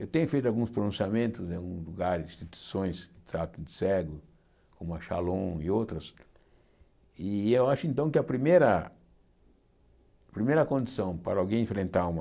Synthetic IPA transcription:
ewt̪ẽɲʊfejt̪ʊawɡũspɾonũsiamẽnt̪ʊz̃awɡũzluɡaɾĩst̪it̪ui̥sõj̃sɪt̪ɾat̪ʊd̪ɪsɛɡʊ | kõmʊɐʃalõɪowt̪ɾɐs | ɪewaʃʊẽnt̪ɐ̃w̃kɪɐpɾimejɾɐ | pɾimejɾɐkõnd̪isɐ̃w̃paɾɐːwɡẽj̃ẽfɾẽnt̪aɾũmɐ

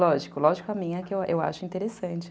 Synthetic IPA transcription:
lɔʒɪkʊlɔʒɪkʊɐmĩɲɛkɪewḛwa̰ʃʊĩnt̪eɾesɐ̃t͡ʃɪ̥

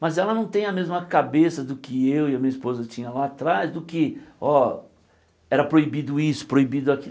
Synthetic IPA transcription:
mɐzɛlɐnɐ̃w̃t̪ẽj̃ɐmezmɐkabesɐd̪ʊkɪewɪɐmĩɐspozɐt͡ʃĩɲɐlaːt̪ɾazd̪ʊkɪɔ | ɛɾɐpɾoibid̪ʊisʊ̥pɾoibid̪ʊaki

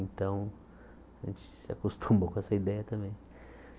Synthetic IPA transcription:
ẽnt̪ɐ̃w̃ | aʒḛ̃nt͡ʃɪ̥sɪakost̪ʰũmbokõɛsɐid̪ɛjɐt̪ɐ̃mbẽj̃

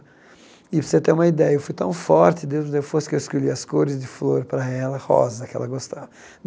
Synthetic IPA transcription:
ɪpseɐt̪eɾũmɐid̪ɛjɐewfujt̪ɐ̃w̃fɔɾt͡ʃ̪ɪd̪ewzd̪ewfosɪ̥kewɪskoʎiɐskoɾɪzd͡ʒɪfloɾpɾɐɛlɐhɔ̰zɐkɪɛ̰lɐɡost̪avɐ

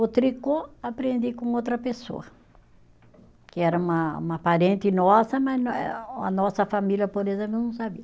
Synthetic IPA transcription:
ot̪ɾikoapɾẽnd̪ikõot̪ɾɐpeso̰ɐ | kɪɛɾɐũmɐṵ̃mɐpaɾẽnt̪ɪnɔsɐmɐznɐnɔsɐfamiljɐpoɾezẽmp̬lʊnɐ̃w̃sabiɐ

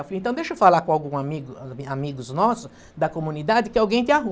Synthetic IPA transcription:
flĩnt̪ɐ̃d̪eʃʊfalakõawɡũamiɡʊamiɡʊznɔsʊ | d̪ɐkomũnid̪ad̪ɪkɪawɡẽj̃t̪ɪaɦũ

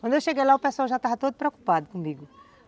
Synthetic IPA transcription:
kɐ̃d̪ewʃeɡejlaʊpeswawʒat̪avɐt̪od̪ʊpɾeoku̥pad̪ʊkõmiɡʊ

